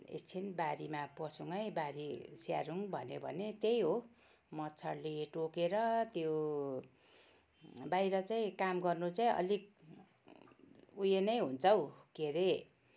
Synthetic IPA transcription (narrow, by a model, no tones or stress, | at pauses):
ḛst͡sʰinbaɾimapʌsuŋʌjbaɾisja̰ɾuŋbʱʌnebʱʌ̰net̪ejɦo | mʌtt͡sʰʌɽleʈokeɾʌt̪jo | bajɾʌt͡saĩkamɡʌrnut͡saĩʌ̰lik̚ | ujenʌjɦunt͡sʰʌwkeɾe